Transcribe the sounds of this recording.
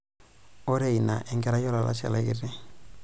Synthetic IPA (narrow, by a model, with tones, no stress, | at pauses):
o˦ɾe˦˨i˨na˨ʔɛ˨ŋɡɛ˦ɾa˦jɔ˦la˨la̰˦ʃa̰˨la˦ḭ˦ɾe˦